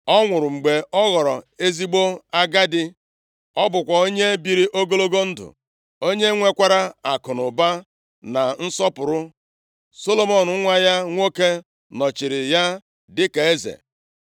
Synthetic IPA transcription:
ɔ˦ŋʷʊ˨ɾʊ˨ŋ͡m̩˨ɡ͡be˨ɔ˦ɣɔ˨ɾɔ˨e˦zi˦ɡ͡bo˦a˦ɡa˦dɪ˦ | ɔ˦bʊ˨kʷa˨o˦ɲe˦bi˨ɾi˦ʔo˦ɡo˦lo˦ɡo˦n̩˦dʊ̰˨ | o˦ɲe˦ŋʷe˦kʷa˦ɾa˦a˨kʊ˨nʊ˨ba˦ | na˨n̩˦sɔ˦pʊ˨ɾʊ˦ | so˦lo˦mo˦n˨˦ŋʷa˦ja˦ŋʷo˦ke˦ | nɔ˨t͡ʃɪ˨ɾɪ˨ja˦ | dɪ˦ke˨e˦zḛ˨

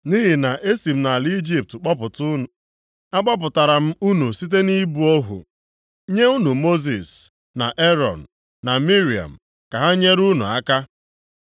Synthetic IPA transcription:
ni˦ɦi˨na˨ʔe˦si˨m̩˦na˨li˦d͡ʒi˦p̚tk͡pɔ˦pʊ˨tʊ˦nʊ˨ | a˦k͡pɔ˦p̬ʊ˨ta˨ɾa˨m̩˦u˦nu˨si˦t̬e˦ni˦bu˨o˦ɦṵ˨ | ɲe˦u˦nu˨mo˦zi˨s | na˨ʔe˦ɾɔ˨n̩˨ | na˨mi˦ɾi˨a̰˨m̩˨ | ka˨ɦa˦ɲe˦ɾu˦nṵ˨a˦ka˦

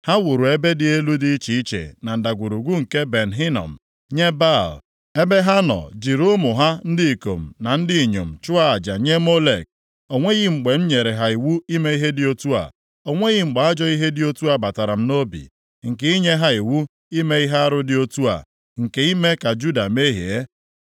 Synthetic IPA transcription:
ha˦wu˨ɾu˨e˦be˦dɪ˦e˦lu˦di˦i˦t͡ʃi˨˦i˦t͡ʃḛ˨na˨n̩˨da˨ɡʷu˨ɾu˨ɡʷu˦ŋ̩˨ke˦be˨n˨ɦi˦nɔ̰˨m̩˨ | ɲe˦ba˦˨l | e˦be˦ɦa˦nɔ̰˨d͡ʒi˨ɾo˦mʊ˨ɦa˦n̩˦dɪ˦i˨ko̰˨m̩˨na˨n̩˦dɪ˦i˨ɲo̰˨m̩˨t͡ʃʊ˦a˦a˨d͡ʒa̰˨ɲe˦mo˦lḛ˨k̚ | o˨ŋʷe˦ɣɪ˦ŋ͡m̩˨ɡ͡be˨m̩˦ɲe˨ɾe˨ɦa˨i˨wu˦i˦me˦i˦ɦe˦dɪ˦o˦tu˦a̰˨ | o˨ŋʷe˦ɣɪ˦ŋ͡m̩˨ɡ͡ba˨a˦d͡ʒɔ˦i˦ɦe˦dɪ˦o˦tu˦a˨ba˨ta˨ɾa˨m̩˦no˦bḭ˨ | ŋ̩˨ke˦i˦ɲe˦ɦa˦i˨wu˦ | i˦me˦i˦ɦe˦a˦ɾʊ˦dɪ˦o˦tu˦a̰˨ | ŋ̩˨ke˨i˦me˦ka˨d͡ʒu˦da˨me˦ɦḭ˨e˦

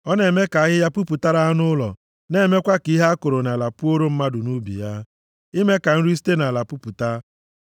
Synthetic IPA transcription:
ɔ˦ne˨me˦ka˨a˦ɣɪ˦ja˦pu˦pu˨ta˦ɾa˦a˦nʊ˦lɔ̰˨ | ne˦˨me˦kʷa˦ki˨˦ɦa˦a˦kʊ˨ɾʊ˨na˨la˨pʊ˦o˦ɾo˦m̩˦ma˦dʊ˨nu˦bḭ˨ja˦ | i˦me˦ka˨n̩˦ɾi˦si̥˦te˦na˨la˨pu˦pu˨ta˦

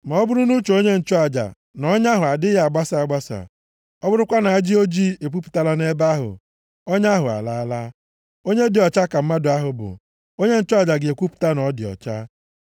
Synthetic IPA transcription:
mɔ˨˦bʊ˦ɾu˦nu˦t͡ʃo˨o˦ɲe˦n̩˨t͡ʃʊ˦a˨d͡ʒa̰˨ | nɔ˦ɲ˦a˦ɦʊ˨a˨dɪ˦ja˨ɡ͡ba˦sa˨a˨ɡ͡ba˦sa̰˨ | ɔ˦bʊ˦ɾʊ˦kʷa˦na˨a˦d͡ʒi˦o˦d͡ʒi˦e˨k̬ʷu˦pu̥˨ta˦la˦ne˦ba˦ɦʊ̰˨ | o˦ɲ˦a˦ɦʊ˨a̰˨la˦la˦ | o˦ɲe˦dɪ˨ɔ˨t͡ʃa˦ka˨m̩˦ma˦dʊ˨a˦ɦʊ˨bʊ̰˨ | o˦ɲe˦n̩˦t͡ʃʊ˦a˨d͡ʒa˨ɡe˨kʷu˦pʊ̥˨ta˦nɔ˨˦dɪ˨ɔ̰˨t͡ʃa˦

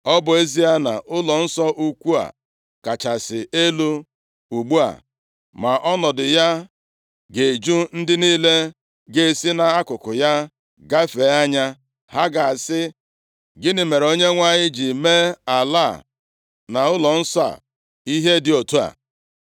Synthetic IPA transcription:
ɔ˦bʊ˨e˦zi˦a˦na̰˨ʔʊ˦lɔ˨n̩˦sɔ˦ʔu˦kʷu˦a̰˨ | ka˨t͡ʃa˨sɪ˨e˦lu˦ | u˨ɡ͡bu˦a̰˨ | ma˨ʔɔ˦nɔ˨dɪ˨ja˦ | ɡe˨d͡ʒu˦n̩˦dɪ˦niː˦le˦ | ɡe˨e˨si˦na˨a˦kʊ˨kʊ˨ja˦ | ɡa˦fe˨˦a˦ɲa˦ | ha˦ɡa˨a˨sɪ˦ | ɡɪ˦nɪ˨me˨ɾo˦ɲe˦ŋʷa˦ɲɪ˦d͡ʒi˨me˦a˨la˦˨ | na˨ʊ˦lɔ˨n̩˦sɔ˦a̰˨ | i˦ɦe˦dɪ˨o˨tu˦a̰˨

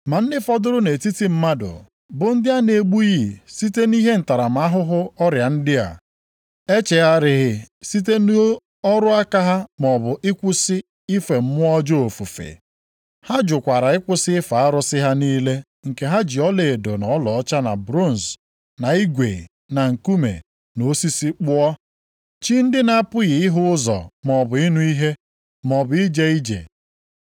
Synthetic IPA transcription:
ma˨n̩˦dɪ˦fɔ˦dʊ˦ɾʊ˦ne˨ti˦ti˦m̩˦ma˦dʊ̰˨ | bʊ˨n̩˦dɪ˦a˦ne˨ɡ͡bu˦ji˨si˦te˦ni˦ɦe˦n̩˨ta˨ɾa˨m̩˨˦a˦ɦʊ˦ɦʊ˦ɔ˦ɾja˨n̩˦dɪ˦a̰˨ | e˦t͡ʃe˨a˦ɾɪ˨ɦɪ˦si˦te˦n˦ | ɔ˦ɾʊ˦a˦ka˦ɦa˦m˨ɔ˨bʊ˨ʔɪ˦kʷu˦sɪ˦ | i˦fe˨m̩˦mʊ˦ɔ˦d͡ʒo˦o˨fu˨fḛ˨ | ha˦d͡ʒʊ˨kʷa˨ɾa˨ɪ˦kʷʊ˦sɪ˦fa˨a˦ɾʊ˦sɪ˦ɦa˦niː˦le˦ | ŋ̩˨ke˨ɦa˦d͡ʒi˨ɔ˦le˨do˨nɔ˨˦lɔ˨ɔ˦t͡ʃa˦na˨bɾo˦˨n˨z | na˨i˦ɡʷe˨ | na˨ŋ̩˨ku˦mḛ˨ | no˨˦si˦si˦k͡pʊ˦ɔ˦ | t͡ʃi˦n̩˦dɪ˦na˦pʊ˦ɣɪ˨ɪ˦ɦʊ˦ʊ˦zɔ̰˨m˨ɔ˨bʊ˨ɪ˦nu˦i˦ɦe˦ | mɔ˨bʊ˨i˦d͡ʒe˨i˦d͡ʒḛ˨

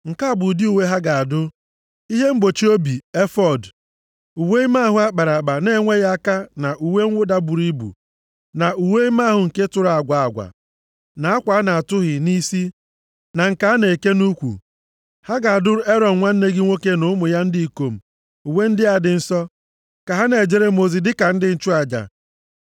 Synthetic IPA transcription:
ŋ̩˨ka˦a˦˨bʊ˨dɪ˦u˨we˦ɦa˦ɡa˨a˨dʊ˦ | i˦ɦe˦m̩˦ɡ͡bo˨t͡ʃi˦o˦bi˨e˦fɔ˨d | u˨we˦i˦ma˦˨ɦʊ˨a˦k͡pa˨ɾa˨k͡pa˨ne˦ŋʷe˦ɣa˦a˦ka˦na˨ʔu˨we˦ŋ̩˦wʊ˦da˦bu˨ɾi˦bṵ˨ | na˨u˨we˦i˦ma˦˨ɦʊ˨ŋ̩˨ke˦tʊ˨ɾa˨a˨ɡʷa˨a˨ɡʷa̰˨ | na˨a˦kʷa˨˦na˨a˨tʊ˦ɦɪ˨ni˦si˦ | na˨ŋ̩˨ka˨a˦ne˨e˨ke˦nu˦kʷṵ˨ | ha˦ɡa˨a˨dʊ˦ɾʊ˦e˦ɾɔ˨n̩˨ŋʷa˦n̩˦ne˦ɡɪ˦ŋʷo˦ke˦nʊ˦mʊ˨ja˦n̩˦di˦i˨ko˨m̩˨ | u˨we˦n̩˦dɪ˦a˨dɪ˨n̩˦sɔ˦ | ka˨ɦa˦ne˨d͡ʒe˨ɾe˨mo˨zi˨dɪ˦ka˨n̩˦dɪ˦n̩˦t͡ʃu˦a˨d͡ʒa̰˨

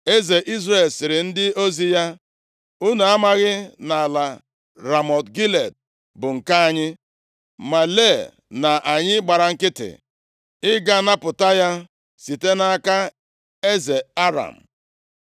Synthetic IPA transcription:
e˦ze˨ʔi˦zɾe˨lsɪ˨ɾɪ˨n̩˦dɪ˦o˦zi˦ja˦ | u˦na˨a˦ma˦ɣɪ˦na˨a˨la˨ | ɾa˨mɔ˨tɡi˦le˨d̚ | bʊ˨ŋ̩˨ka˦a˦ɲɪ˦ | ma˨le˦˨ | na˨ʔa˨ɲɪ˦ɡ͡ba˨ɾa˨ŋ̩˦kɪ˦tɪ̰˨ | ɪ˦ɡa˦na˦pʊ˨ta˦ja˦ | si˨te˦na˦a˦ka˦ | e˦ze˨a˦ɾa̰˨m̩˨

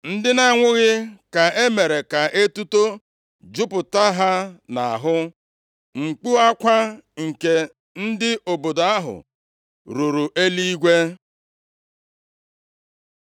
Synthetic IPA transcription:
n̩˦dɪ˦na˦ŋʷʊ˦ɣɪ˦ka˨e˦me˨ɾe˨ka˨ʔe˦tu˦to˦ | d͡ʒʊ˦pʊ˨ta˦ɦa˦na˨a˨ɦʊ˦ | ŋ͡m̩˨k͡pu˦a˦kʷa˦ŋ̩˨ke˨ | n̩˦dɪ˦ʔo˨bo˨do˨a˦ɦʊ̰˨ | ɾu˨ɾu˨ʔe˦li˦i˦ɡʷe˦

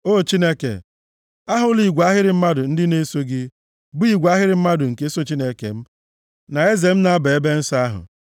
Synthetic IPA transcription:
o˦˨t͡ʃi˦ne˦kḛ˨ | a˦ɦʊ˨li˨ɡʷa˦ɦɪ˦ɾɪ˨m̩˦ma˦dʊ˨n̩˦dɪ˦ne˦so˦ɡɪ˦ | bi˦˨ɡʷa˦ɦɪ˦ɾɪ˨m̩˦ma˦dʊ˨ŋ̩˨ke˨˦so˦t͡ʃi˦ne˦kḛ˨m̩˦ | na˨e˦ze˨m̩˦na˨˦be˨e˦be˦n̩˦sa˦a˦ɦʊ̰˨

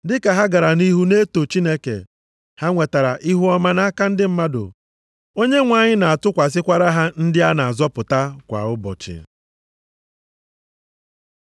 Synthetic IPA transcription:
dɪ˦ka˨ɦa˦ɡa˨ɾa˨ni˦ɦu˦ne˦to˨t͡ʃi˦ne˦kḛ˨ | ha˦ŋʷe˨ta˨ɾa̰˨ʔi˦ɦu˦ɔ˦ma˦na˦a˦ka˦n̩˦dɪ˦m̩˦ma˦dʊ̰˨ | o˦ɲe˦ŋʷa˦ɲɪ˦na˨a˨tʊ˦kʷa˨s̬ɪ˦kʷa˦ɾa˦ɦa˦n̩˦dɪ˦a˦na˨a˨zɔ˦pʊ˨ta˦kʷa̰˨ʊ˦bɔ̰˨t͡ʃɪ̰˨

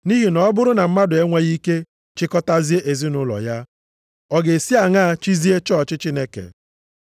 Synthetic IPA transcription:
ni˦ɦi˨nɔ˦bʊ˦ɾʊ˦na˨m̩˦ma˦dʊ˨e˦ŋʷa˦ɣi˦ke˦ | t͡ʃɪ˦kɔ˦ta˦zi˦e˦ʔe˨zi˦nʊ˦lɔ̰˨ja˦ | ɔ˦ɡe˨si˦a˨ŋa˦˨t͡ʃi˦zi˦e˦t͡ʃɔ˦˨t͡ʃɪ˦t͡ʃi˦ne˦kḛ˨

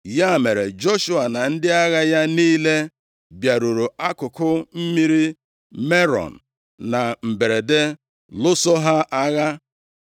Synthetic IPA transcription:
ja˦˨me˨ɾe˨d͡ʒɔ˦ʃu˦a˨na˨n̩˦dɪ˦a˦ɣa˦ja˦niː˦le˦ | bja˨ɾu˨ɾu˨a˦kʊ˨kʊ˦m̩˦mi˦ɾi˦ | me˦ɾɔ̰˨n̩˨ | na˨m̩˨be˨ɾe˨de˦ | lʊ˦sɔ˦ɦa˦ʔa˦ɣa˦

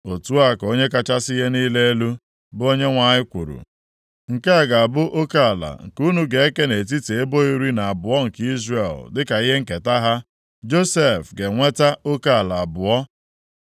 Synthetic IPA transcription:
o˨tu˦a˦˨ko˦ɲe˦ka˦t͡ʃa˦si˦ɦe˦niː˦le˦e˦lu˦ | bʊ˦o˦ɲe˦ŋʷa˨ɲɪ˦kʷṵ˨ɾṵ˨ | ŋ̩˨ke˦a˦˨ɡa˨a˨bʊ˦ʔo˦ka˦˨la̰˨ŋ̩˨ku˦nu˦ɡe˨e˦ke˦ne˨t̬i˦te˨e˦bo˦i˦ɾi˦na˨a˨bʊ˨ɔ˦ŋ̩˨ki˦zre˨ldɪ˦ka˨i˦ɦe˦ŋ̩˦˨ke˨ta˦ɦa˦ | d͡ʒo˦se˦˨fɡe˨ŋʷe˦ta˦o˦ka˦˨la˨a˨bʊ˨ɔ˦

